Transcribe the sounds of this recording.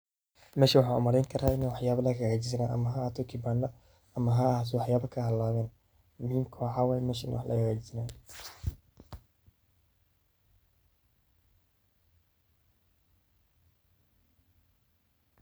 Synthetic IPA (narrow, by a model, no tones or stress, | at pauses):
mɛːʃɐwɑħɑːʊ̰mɐɾɛjŋkʰɐɾaːɪnɛwɑħjaːβɐlɐɣɐɣɛt͡ʃɪs̬ɪnaːʔɐ̰mɐɦɐt̪ʰɔkʰɪbaːnlɐ | ɐmɐɦɐt̪̬ʰɔwɑħjaːbɐkʰɐhɐlːaːβɛːn | mʊhiːmkʰɔːʕɑwɛjmɛːʃɪnwɑħlʔɐ̰kɣɛːt͡ʃɪsɪnaː